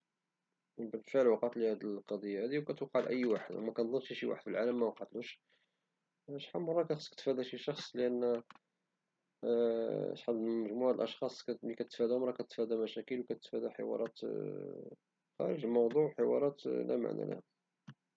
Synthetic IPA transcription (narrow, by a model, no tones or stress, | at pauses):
bənfəʕəlwɑqɑt̪lihæd̪əlqɑd̪ˤijːahæd̪iwkæt̪wqːɑʕlʔə̰jːwaħəd̪wmækænd̪ˤənːʃiʃiwa̰ħəd̪fəlʕaləmːæwɑqɑt̪luʃ | æʃħamːərˤːɑkæxəsˤkt̪fæd̪æʃiʃɑxsˤləʔənː | t̪ħɑd̪məʒmuʕalʔɑʃxɑsˤklikæt̪ət̪fæd̪hmɾˤɑkæt̪ət̪fæd̪æmæʃækəlwkæt̪ət̪fæd̪æħə̰wɑ̰ɾˤɑt̪ | xæ̰ɾəʒmɑwd̪ˤuʕħəwɑ̰ɾˤɑt̪læ̰ma̰ʕnæ̰læ̰h